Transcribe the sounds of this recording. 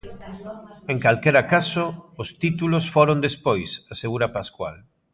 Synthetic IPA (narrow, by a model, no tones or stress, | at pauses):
eŋkalkɛɾakasoʊst̪it̪ulosfoɾond̪espojsaseɣ̞uɾapaskwa̰l